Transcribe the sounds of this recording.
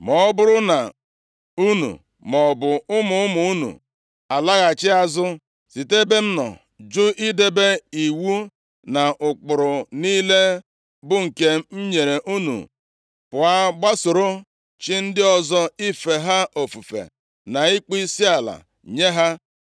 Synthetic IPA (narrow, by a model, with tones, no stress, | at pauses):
mɔ˨˦bʊ˦ɾʊ˦na˨ | u˦nṵ˨ | mɔ˨bʊ˨ʊ˦mʊ˨ʊ˦mʊ˨u˦nṵ˨ | a˨la˦ɣa˨t͡ʃɪ˦a˨zʊ˦ | si˨te˦be˦n̩˦nɔ̰˨ | d͡ʒʊ˦ʔi˦de˦be˦i˨wu˦ | na˨ʔʊ˨k͡pʊ˨ɾʊ˨niː˦le˦ | bʊ˦ŋ̩˨ke˦m̩˦ɲe˨ɾe˨ʔu˦nṵ˨ | pʊ˨a˦ɡ͡ba˦sʊ˨ɾʊ˦ | t͡ʃi˦n̩˦dɪ˦ɔ˨zɔ˦i˦fe˨ɦa˦ʔo˨fu˨fḛ˨ | na˨i˦k͡pi˦si˦a˨la̰˨ | ɲe˦ɦa˦